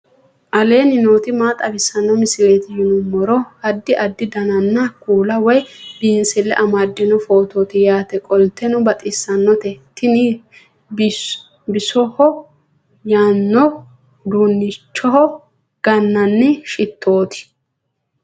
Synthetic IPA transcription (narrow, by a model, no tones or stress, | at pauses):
ʔɐle̞ːnɪnoːt̪ɪmaːt̪ʼɐbɪsɐnːɔmɪsɪɾeːt̪ɪjʊnʊmːɔɾɔɐd̪ːɪʔɐd̪ːɪd̪ɐnɐnːɐkuːlɐwɔjbiːnsɛlːɛ̰ʔɐmaːd̪ːɪnɔfo̞ːt̪o̞ːt̪ɪjaːt̪ɛkʼɔlt̪ːɛnʊbɐt̪ʼɪsːɐnːɔt̪ɛt̪ːɪni | b | bɪsɔhɔ | jaːnːɔ | d̪uːnːɪt͡ʃːɔhɔ | ɡ̥ɐnːɐnːɪʃɪt̪ʰːo̞ːt̪ɪ̥